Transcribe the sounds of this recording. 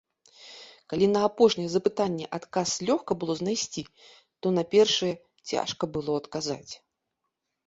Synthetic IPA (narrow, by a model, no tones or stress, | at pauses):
kalʲinɐːpɔʂnʲɛjɛzɐpɨt̪anʲːɛʔat̪kaslʲɔxkɐbɨlˠɔznajsʲt͡sʲi | t̪ɔnapʲɛrʂɨjɛ | t͡sʲa̰ʂkɐbɨlˠɔɐt̪kaza̰t͡sʲ